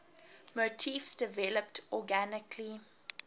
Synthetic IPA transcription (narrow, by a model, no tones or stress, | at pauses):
motʰifsdəvɛləp̚tɔɡænɪkʰli